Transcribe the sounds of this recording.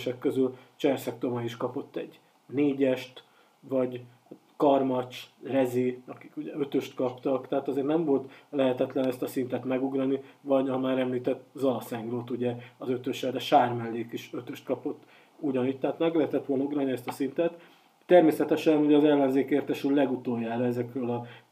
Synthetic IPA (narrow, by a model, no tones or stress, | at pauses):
ʃɛkːø̞zylt͡ʃɛrsɛk̚t̪o̞mɒiʃkɒpo̞t̪ːɛ̰ɟ | neːɟɛʃt̪ | vɒɟ | kɒrmɒt͡ʃrɛziɒki̥kuɟɛø̞t̪øʃt̪kɒpt̪ɒkt̪ɛɦaːt̪ɒzeːɾnɛɱvo̞lt̪lɛɦɛt̪ɛt̪lɛnɛst̪ɒsint̪ɛt̪mɛɡuɡrɒnivɒɟɒmaːɾɛmliːt̪ɛt̪ːzɒlɒsɛŋɡroːt̪uɟɛɒzø̞t̪øʃɛd̪ɛʃaːrmɛlːeːkiʃøt̪øʃt̪̚kɒpo̞t̪ː | uɟɒnic̚t̪ɛɦat̪nɛɡlɛɦɛt̪ɛt̪ʋo̞lnɒuɡrɒniɛst̪ɒsint̪ɛt̪ː | ɛrmeːsɛt̪ɛʃɛnuɟɛɒzɛlːɛnzeːkeːrt̪ɛʃyllɛɡut̪oːjːaːɾɒɛzɛkrølɒ